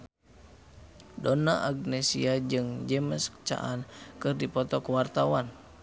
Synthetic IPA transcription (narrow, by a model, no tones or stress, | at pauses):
dɔnaʔaɡnɛsḭad͡ʒɨŋd͡ʒɛməskt͡ʃa̰ʔankɨrdipɔt̪ɔkuwart̪awan